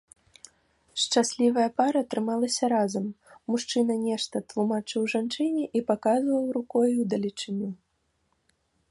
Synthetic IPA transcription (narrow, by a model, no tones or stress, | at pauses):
ʂt͡ʂasʲlʲivɐjɐpaɾɐt̪ɾɨmalˠɐsʲɐɾazɐmːuʂt͡ʂɨnɐnʲɛʂt̪ɐt̪lˠumat͡ʂɨwʐant͡ʂɨnʲɛʔipakazvɐwɾukɔjuwd̪ɐlʲit͡ʂɨnʲu